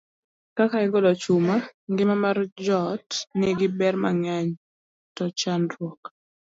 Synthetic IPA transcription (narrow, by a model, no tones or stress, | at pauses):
kakaɪɡɔlɔt͡ʃumaŋɡɪmamard͡ʒɔtnɛɡɪbɛrmaŋaɲ | tɔt͡ʃanɾwɔk